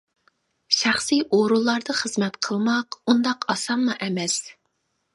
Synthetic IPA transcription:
ʃæχsiʔoɾulˠːɑɾd̪ɑχəzmɛt̪qʰəlˠmɑqund̪ɑqɑsɑmːɑʔɛmɛs

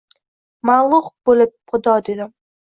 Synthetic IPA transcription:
malˠʊχbolɪp̚χʊd̪ɒd̪ed̪ɪm

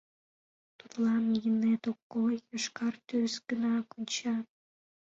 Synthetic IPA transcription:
t̪ut̪lɑmjinet̪okːojəʃkɑrt̪ysɡənɑkonʲt͡ɕɑt̪̚

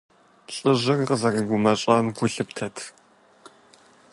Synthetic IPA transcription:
ɕʼɨʑɪrqəzɐriɡʷʊmɐɕʼɐmɡʷʊɬɨptʰɐtʰ

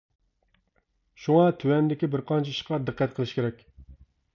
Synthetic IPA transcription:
ʃuŋɑt̪ʰywɛnd̪ɪkʲibɪɾqʰɑnt͡ʃʰɛiʃqɑd̪ɨqːæt̪̚qʰəlˠɨʃkʲeɾɛkʲ

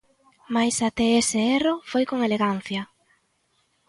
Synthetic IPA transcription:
majsat̪eeseerofojkoŋeleɣan̟θjɐ

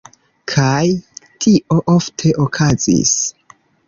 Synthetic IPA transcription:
kʰajtʰiʔo̞ʔoftʰe̞ʔokʰazḭs

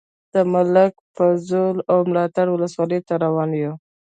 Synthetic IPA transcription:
d̪̥əmʊləkpəzolawmlɑt̪aɽwʊləswɑləjt̪aɾawɑnjo

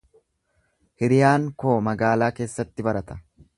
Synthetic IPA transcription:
hɪɾɪjaːŋkoːmɐɡaːlaːke̞ːsːɐt̪ːɪbɐɾɐt̪ɐ̥

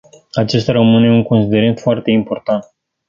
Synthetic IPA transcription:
at͡ʃe̞st̪ʲaɾəmɨne̞uŋko̞nsid̪e̞ɾent̪foart̪e̞impo̞rt̪ant̪̚

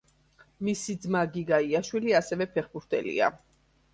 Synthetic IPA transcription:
misid̪zmaɡiɡaiaʃwiliasɛvɛpʰɛχbuɾt̪ʰɛ̰lḭa̰

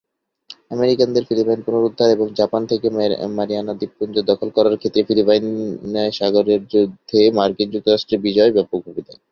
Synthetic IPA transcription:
ɛmeɾikand̪eɾfilipajnpunoɾud̪ʱːaɾeboŋd͡ʑapant̪ʰekemaɾianad̪ib̚kund̪od̪ɔkʰolkɔɾaɾkʰet̪ːɾefilipajnaʃaɡoɾeɾd͡ʑod̪ʱːemaɾkind͡ʑuk̚t̪oɾaʃʈɾeɾbid͡ʑɔebɛpoɡʰʱubid̪a

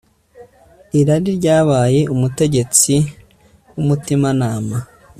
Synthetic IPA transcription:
iɾaɾiɾɟaːβaːje̞umute̞ɟe̞t͡si | wumutimanaːma

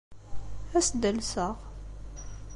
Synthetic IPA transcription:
æsd̪əlsəʁ

